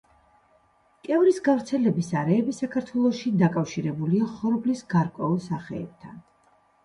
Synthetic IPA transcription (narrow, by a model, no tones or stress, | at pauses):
kʼɛvɾisɡavɾt̪sʰɛlɛbisaɾɛːbisakʰaɾt̪ʰwɛlˠɔʃid̪akʼafʃiɾɛbuliaχɔɾɔblisɡaɾkʼwɛulˠsaχɛ̰ːb̥̚t̪ʰan